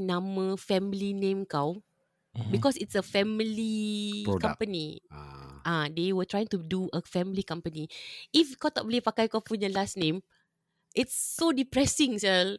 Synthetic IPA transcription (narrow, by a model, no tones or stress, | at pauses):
nãməfɛ̃milinẽmkaw | bikɔsitsəfɛ̃milikkãmmpəni | ʔãdewət̪ɹajĩŋtuduʔəfɛ̃mlikãmpəniifkat̪ɔʔ̚blepakajkɔpuɲəlasnẽm | ʔɪtsːodipɹɛsɪ̃ŋsɛl